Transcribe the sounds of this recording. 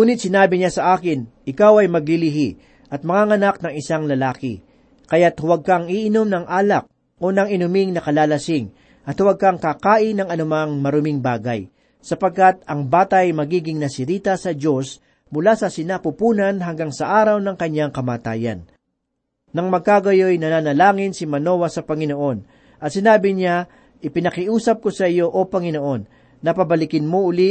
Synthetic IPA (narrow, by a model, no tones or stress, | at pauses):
uːnɪt̪sɪnaːbɪɲasɐʔaːkɪnʔɪkawɐjmɐɡ̚lɪlɪɦi | ʔɐt̪̚mɐŋaŋɐnak̚nɐŋɪsaŋlɐlaːkɪ̰ | kɐjat̪hʊwɐɡ̚kɐŋiʔɪnomnɐŋʔaːlɐk̚ | ʔo̞nɐŋɪnʊmɪŋnɐkɐlaːlɐsɪŋ | ʔɐt̪hʊwɐɡ̚kɐŋkakaːʔɪnɐŋɐnʊmaŋmɐɾʊmɪŋbaːɡɐ̰j | sɐpɐɡ̚kat̪̚ɐŋbaːt̪ɐjmɐɡiːɡɪŋnɐsɪɾiːt̪ɐsɐd͡ʒo̞s | mʊlasɐsɪnapʊpuːnɐnɦɐŋɡaŋsɐʔaːɾɐwnɐŋkɐɲːaŋkɐmaːt̪a̰ːjɐ̰n | nɐŋmɐɡ̚kaɡɐjo̞jnɐnaːnɐlaːŋɪnsɪmɐno̞wɐsɐpɐŋɪno̞ʔo̞n | ʔɐt̪sɪnaːbɪɲa | ʔɪpɪnɐkɪʔuːsɐp̚kosɐʔɪjo̞ʔopɐŋɪno̞ʔo̞nː | ɐpɐbɐlɪkɪnmoʔʊli